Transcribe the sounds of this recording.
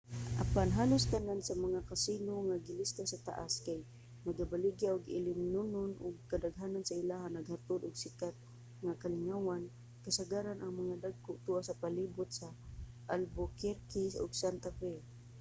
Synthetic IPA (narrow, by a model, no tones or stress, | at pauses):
ʔa̰panɦaːlʊst̪anansamaŋakasinoŋaɡɪlɪst̪asat̪a̰ʔaskaj | naɡabalɪɡjaʔʊɡɪlɪmnʊnʊnʔʊɡ̚kad̪aɡɦaːnansaɪlaɦanaɡhat̪ʊd̪ʊɡsɪkat̪̚ | ŋakalɪŋawan | kasaɡaɾanʔaŋmaŋad̪aɡ̚kʊʔt̪uʔasapaliːbʊt̪̚sa | ʔalbokɛɾkɪsʊ̰ɡsant̪apɛl